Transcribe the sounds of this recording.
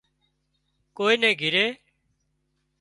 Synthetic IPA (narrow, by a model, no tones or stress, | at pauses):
koːiːnẽːɡʱɪɾeː